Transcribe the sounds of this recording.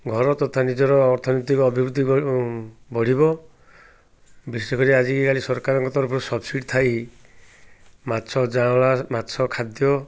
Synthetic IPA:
ɡʱɔɾɔt̪ɔt̪ʰanid͡ʒɔɾɔːɾt̪ʰɔnɔt̪ikɔːbʱibɾud̪ʱːi | bɔɽ̤ibɔ | bisɾekʰɔɾiad͡ʒikikalisɔɾkaɾɔŋkɔt̪ɔɾɔpʰɔɾusɔbsiɖt̪ʰaj | matːsʰɔd͡ʒãlamatːsʰɔkʰad̪jɔ

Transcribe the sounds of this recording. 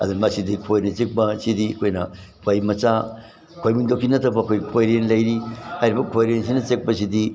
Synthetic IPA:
ɐ̰d̪umɐsidikʰojnɐt͡ʃek̚bɐsidiɐkʰojnɐ | kʰojmɐt͡ʃa | kʰojmiŋdokʰinɐtʰɐbɐːkʰojkʰojɾenlɐjɾihajɾibɐkʰojɾens̬inɐt͡ʃek̚pɐs̬idi

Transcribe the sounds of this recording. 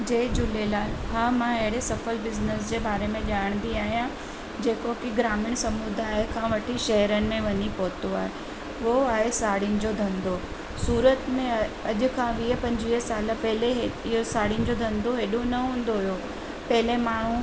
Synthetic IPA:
d͡ʑeːd͡ʑʊlelaːlɦaːmãɐɦɪɽesɐfəlbɪznəsd͡ʑeːbaːɾemẽʄaːɽ̃nd̪iaːɦijã | d͡ʑeːkokiɡɾaːmɪɽ̃sɐmud̪ʱaːɦekʰãːʋɐʈʰiʃɐɦəɾənɪ̆mẽʋɐɲipoːt̪oaːɦe | ʋoaːɦesaːɽinɪ̆d͡ʑoːd̪ʱɐ̃nd̪o | suːɾət̪mẽɐʄʊ̆kʰãʋiːɦpɐ̃ɲd͡ʑʋiːɦəsaːlə̆pɐɦɪleɦeɪɦosaːɽinɪ̆d͡ʑoːd̪ʱɐ̃nd̪oɦeːɗonɐɦũːnd̪oɦʊjo | pɐɦɪlemaːɳ̤ũ

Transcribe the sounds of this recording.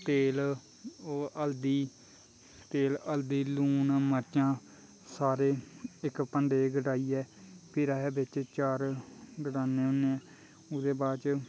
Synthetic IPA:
t̪eːlː | əld̪iː | t̪eːləld̪iːluːnməɾt͡ʃãː | saːɾeːɪkpəɳɖeːɡəɖaːiːɛːpʰɪɾaːɦeːbɪt͡ʃt͡ʃaːɾɡəɖaːneːʊnːeːɛː | ʊd̪eːbaːt͡ʃ

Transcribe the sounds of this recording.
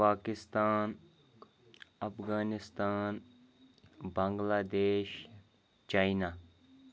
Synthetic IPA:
paːkɪst̪aːn | ɐpʰɡaːnɪst̪aːn | bɐ̃ŋɡlaːd̪eːʃ | t͡ʃaːinaː

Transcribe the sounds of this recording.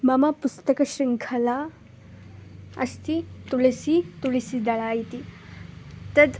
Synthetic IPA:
mamapust̪əkəɕɾiŋkʰɐla | ɐ̰st̪it̪ulisit̪uɭisid̪aɭaːjit̪i | t̪əd̪

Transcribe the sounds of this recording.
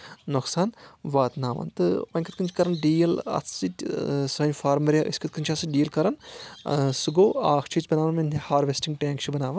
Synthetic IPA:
noksaːnʋaːt̪naːʋɐ̰nt̪ɨɐ̃nʲkʰɐt̪̚kɨnt͡ʃʰkɐɾɐnɖiːjɐlɐ̰t̪ʰsitsɐːnʲfaːɾmɐɾjaːʔɨ̰sʲkɐt̪̚kɨnt͡ʃʰɐsɨɖiːɐlkɐɾɐn | sɨɡoːaːkʰt͡ʃʰit͡ʃbɐnaːʋɐnmɐnʲʰihaːɾʋesʈĩŋɡʈẽːŋkt͡ʃʰibɐnaːʋɐn

